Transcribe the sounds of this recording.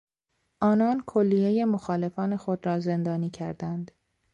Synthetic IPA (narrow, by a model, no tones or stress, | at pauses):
ʔɒːnɒːnkʰolːije̞je̞moxɒːle̞fɒːne̞xod̪ɾɒːze̞nd̪ɒːniːcʰæɾd̪ænd̪